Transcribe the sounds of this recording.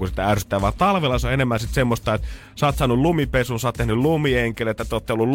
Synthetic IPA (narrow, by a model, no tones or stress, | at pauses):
usit̪æærsy̥t̪ːˑæːʋʋɑːt̪ɑlʋelːɑsoenemːænsit̪semːost̪ɑet̪ | sɑːt̪sɑːnullumipesuːnsoɑːt̪t̪ehnyllumieŋkelet̪ːæt̪oːt̪ːeolːul